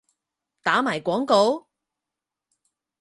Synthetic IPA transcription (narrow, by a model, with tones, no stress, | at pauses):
t̪aː˨˥maː˨˩jkʷɔː˨˥ŋko˨˧˥w